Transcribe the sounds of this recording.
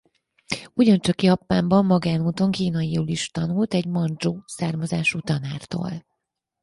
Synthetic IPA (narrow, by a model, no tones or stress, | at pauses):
uɟɒnt͡ʃɒkjɒpːaːmbɒmːɒɡaːnuːt̪o̞ŋkiːnɒjiɾoːliʃt̪ɒnult̪ɛɟmɒnd͡ʒoːsaːrmɒzaːʃut̪ɒnaːrt̪o̰ːl